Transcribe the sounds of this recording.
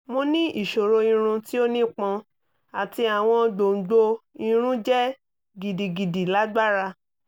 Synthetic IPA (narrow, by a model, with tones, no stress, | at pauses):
mo˧nĩ˦i˨ʃo˨ɾo˧ĩ˧ɾ̃ũ˧ti˦o˦nĩ˦k͡pɔ̃˧ | a˨ti˧a˨w̃ɔ̃˧do˨ɡ͡bo˧i˧ɾ̃ũ˦d͡ʒɛ˦ | ɡi˨di˨ɡi˨di˨la˨˦ɡ͡ba˦ɾa˧